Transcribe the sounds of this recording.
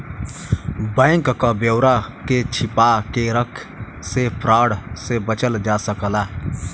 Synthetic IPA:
bɛ̃ːŋkkabjowɾaket͡ʃʰɪpaːkeɾəkʰ | sepʰɾaːɽsebət͡ʃəld͡ʒaːsəkəlaː

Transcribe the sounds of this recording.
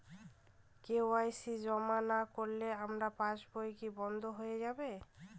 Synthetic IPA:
keoajsid͡ʑɔmanakoɾleamɾapãt͡ɕbojkibɔnd̪ʱoɦojed͡ʑabe

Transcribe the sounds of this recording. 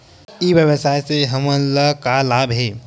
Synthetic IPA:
iʋjəʋəsaːjseɦɐmə̃nləkalaːbɦɛː

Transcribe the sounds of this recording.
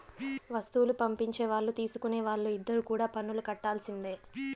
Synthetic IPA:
ʋɐst̪uwulupɐmpiɲt͡ʃe̞ːʋaːɭːut̪iːsu̥kuneːʋaːɭːuid̪ːɐɾukuːɽaːpɐnːulukɐʈːaːlsind̪eː

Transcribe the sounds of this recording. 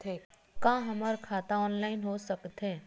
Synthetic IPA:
t̪ʰː | kãːɦɐmaɾkʰaːt̪aɔːnlaːɪnɦosɐkt̪ɦeː

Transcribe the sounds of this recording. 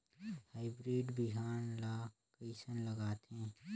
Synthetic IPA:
haːɪbɾeːɖbɪɦaːnlaːkəɪsənlɐɡaːt̪ɦɛ̃ː

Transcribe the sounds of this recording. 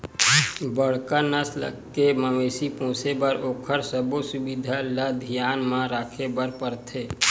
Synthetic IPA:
bəɽ̤kanəslə̰keməmeːsipõːsebəɾoːkʰəɾsəbosʊbid̪ʱalad̪ʱijaːnmãɾaːkʰebəɾpəɾt̪ʰeː

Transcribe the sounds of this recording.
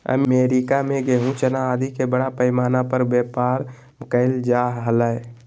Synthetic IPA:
ə̰mmeːɾɪkamẽɡeɦũt͡ʃənaːd̪ikebəɽapəɪmaːnapəɾbeːpaːɾ | mʊkəɪld͡ʒaːɦɦələe

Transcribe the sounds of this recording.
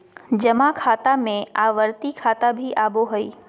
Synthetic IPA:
d͡ʑɐmakʰaːt̪amẽaːʋəɾt̪ikʰaːt̪abʱiʔaːboɦɐiː

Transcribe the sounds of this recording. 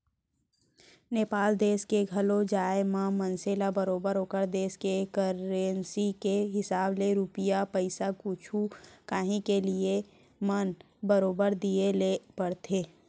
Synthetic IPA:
neːpaːld̪eːskeɡʱɐlod͡ʒaːemãmənseːlabəɾoːbəɾoːkəɾd̪eːskekəɾensikeɦɪsaːbleɾupɪjapəɪsakʊt͡ʃʰukaːɦĩkelie | mən | bəɾoːbəɾd̪ielepəɽt̪ʰeː

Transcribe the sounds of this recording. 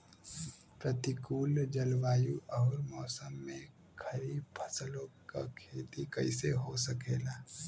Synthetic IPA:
pɾət̪ikuːld͡ʒəlʋaːjuɔːɾmɔːsəmːẽ | kʰɐɾiːb̚pʰəsəlõka̰kʰeːt̪ikɐɪseɦosəkeːlaː

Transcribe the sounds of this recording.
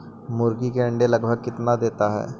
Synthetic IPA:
mʊɾɡikẽːɳɖeləɡbʱəɡ̚kɪt̪nad̪eːt̪aɦɛ̰ː

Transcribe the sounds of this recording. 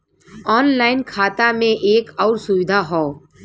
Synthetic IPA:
ɔːnlaːɪnkʰaːt̪amẽʔeːkɔːɾsʊwɪd̪ʱaɦɔː

